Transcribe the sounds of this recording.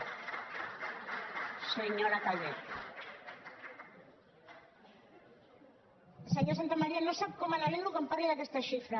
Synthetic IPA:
seɲoɾakaʎet̪ | seɲosant̪amaɾianõsaβ̚komalaleŋɡokompaɾiaðest̪aʃifɾa

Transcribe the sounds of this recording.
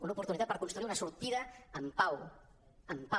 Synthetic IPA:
unupuɾt̪unit̪at̪̚pəɾkunst̪ɾuiɾunɐsuɾt̪iðɐəmpaw | əmpa

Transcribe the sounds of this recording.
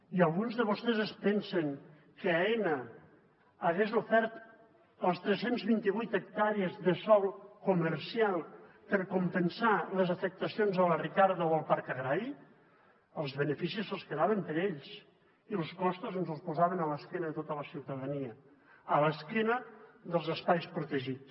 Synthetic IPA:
ialˠɣunzðəβost̪ɛzespɛnseŋ | kəaɛnəː | ɣeznufɛɾt̪ | əlˠst̪ɾesenzβint̪iβujt̪ək̚t̪aɾiəzðəsɔlˠkuməɾsialˠ | pəɾkumpənsaləzəfək̚t̪əsionzələrikaɾðəoəlˠpaɾkəɣɾaɾi | əlˠzβənəfisisəlˠskəðaβəmpəɾeʎs | ilˠskɔst̪uzənzəlˠspuzaβənələskenəðət̪ot̪ələsiwt̪əðəniəː | ləskinəðəlˠzəspajspɾut̪əʒit͡s

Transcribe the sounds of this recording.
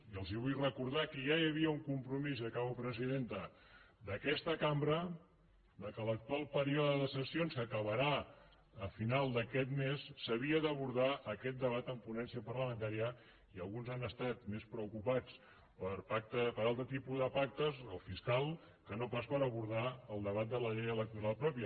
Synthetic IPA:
iəlˠziβujrəkuɾð̞akəjajəβ̞iəuŋkumpɾumizəkaβəpɾəziðent̪ə | d̪əkɛst̪əkambɾə | d̪əkələk̚t̪ualˠpəɾiɔðəðəsəsionskəkəβəɾa | əfinalˠd̪əkɛt̪mesːəβiəðəβuɾðaʔəkɛt̪̚d̪əβat̪əmpunɛnsiəpərləmə̃nt̪aɾiə | iəlˠɣunzanəst̪at̪mespɾəukupat͡s | pəɾpak̚t̪əpəɾalˠt̪ɾət̪ipuðəpak̚t̪əzəlˠfiskalˠ | kənopaspəɾəβuɾðaəlˠd̪əβat̪̚d̪ələʎejələk̚t̪uɾalˠpɾɔpjə

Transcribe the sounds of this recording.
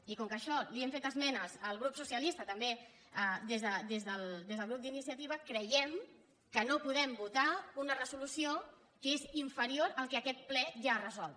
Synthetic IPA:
ikɔŋkəʃɔliemfet̪əzmɛnəzəlˠɣ̞ɾupsusiəlist̪ət̪əmbe | əd̪ezðəd̪ezðəlˠd̪ezðəlˠɣɾup̚d̪inisiət̪iβ̞əkɾəjɛm | kənopuðɛmbut̪aunərəzulusio | keziɱfəɾioɾəlˠkɛːkɛt̪̚plɛʒarəzɔlˠt̪

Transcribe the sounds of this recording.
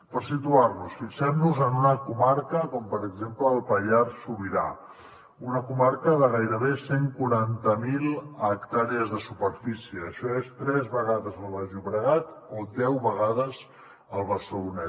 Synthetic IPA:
pəɾsit̪uarnusfiksɛmnuzənunəkumaɾkəkɔmpəɾəɡzempləːlˠpəʎarsuβiɾa̰ | unəkumaɾkəðəɣ̞ajɾəβeseŋkuɾant̪əmilˠəkt̪aɾiəzðəsupəɾfisiəːʃɔest̪ɾɛzβəɣaðəzəlˠβəʒuβɾəɣat̪od̪ɛwβəɣaðəz | əlˠβəsounɛ

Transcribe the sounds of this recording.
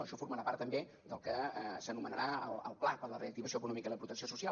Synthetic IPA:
əʃɔfuɾməɾapa̰ɾt̪ːəmbe | d̪əlˠkəsənumənəɾaəlˠə̰lˠplapəɾləreək̚t̪iβəsioəkunɔmikəiləpɾut̪əksiosusia

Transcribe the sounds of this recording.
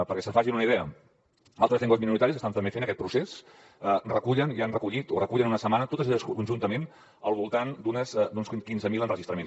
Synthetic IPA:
pəɾkɛsəfaʒinunəiðɛə̰ | alˠt̪ɾəseŋɡozminuɾit̪aɾisəst̪ant̪əmbefenəkɛt̪pɾuses | ərəkuʎənianrəkuʎit̪orəkuʎənunəsəmanət̪ot̪əzəʎəskunʒunt̪əmen | əlˠβulˠt̪and̪unəzd̪unskinzəmilˠənrəʒist̪ɾəmen

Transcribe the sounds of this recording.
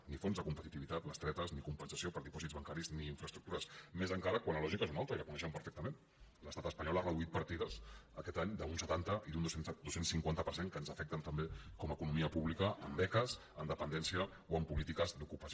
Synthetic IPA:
nifonzðəkumpət̪it̪iβit̪at̪ləst̪ɾɛt̪əznikumpənsə̥siopəɾðipɔzitd͡zβɐŋkaɾizniːɱfɾəst̪ɾuk̚t̪uɾəsmezəŋkaɾəkwanləlɔʒikaezunalˠt̪əiləkunɛʃɛmpəɾfɛk̚t̪əmẽn | ləst̪at̪əspəɲɔlarəðuit̪̚pəɾt̪iðəzəkɛt̪aɲd̪əunsət̪ant̪əʔiðund̪osend̪osensiŋkwant̪əpəɾseŋkəːnzəfɛk̚t̪ənt̪əmbekɔməkunumiəpuβlikəʔəmbɛkəz | ənd̪əpənd̪ɛnsiə | oəmpulit̪ikəzd̪ukupəs

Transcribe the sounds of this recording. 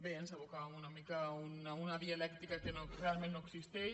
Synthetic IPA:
bensəβukaβɐmunɐmikaununɐβialɛkt̪ikakenorealmẽnːoeksist̪e

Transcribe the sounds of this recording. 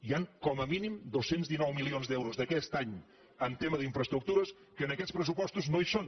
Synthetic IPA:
iaŋkɔməminimd̪osenzðinɔwmilionzd̪ɛwɾuzðəkɛst̪aɲ | ənt̪eməðiɱfɾəst̪ɾuk̚t̪uɾəs | kəːnəkɛtspɾəs̬upɔst̪uznoison

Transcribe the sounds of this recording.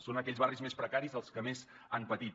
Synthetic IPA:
sonəkɛʎzβarizmespɾəkaɾizəlˠskəmez | anpət̪it̪

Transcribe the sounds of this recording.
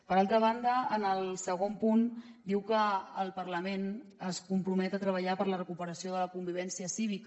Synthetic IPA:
pəɾalˠt̪ɾəβ̞and̪əːnəlˠsəɣ̞ompund̪iwkəːlˠpəɾləmenəskumpɾumɛt̪ət̪ɾəβ̞əʎapəɾlərəkupəɾəsioðələkumbiβɛnsiəsiβik

